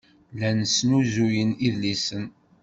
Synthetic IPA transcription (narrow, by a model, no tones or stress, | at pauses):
lænsnuzujəniðlːisən